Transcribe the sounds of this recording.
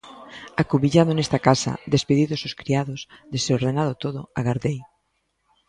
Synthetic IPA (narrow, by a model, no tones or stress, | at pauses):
akuβiʎaðonest̪akasa̰d̪espeðiðososkɾiaðosd̪eseoɾðenaðot̪oðʊaɣaɾðej